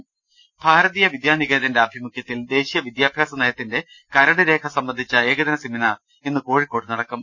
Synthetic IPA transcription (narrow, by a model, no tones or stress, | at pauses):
b̥ʱaːɾɐðiːjɐʋid̪jaːniɣeːðɐndeɐbʱimukjɐt̪ːild̪e̞ːɕijɐʋid̪jaːbʱjaːsɐnɐjɐt̪ːinde̞ | kɐɾɐɽɨɾe̞ːkʰɐsɐmbɐnd̪ʱit͡ɕːɐeːɡɐd̪ɐnɐsiminaːr | enːɨko̞ːɻikːo̞ːɽɨnɐɽɐkːɐm